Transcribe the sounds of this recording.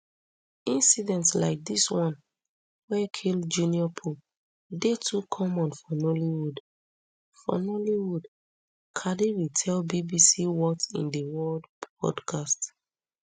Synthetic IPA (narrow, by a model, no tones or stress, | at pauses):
ĩnsidɛ̃ntsla̰ɪk̚diswɔ̃n | wɛkʰild͡ʒuniɔpʰul | detʰukʰɔmɔ̃nfɔnoliwud | fɔ̰nɔliwud | kʰadiwitʰɛlbibisiwɔtḭ̃ndəwɔldpɔ̰dkʰast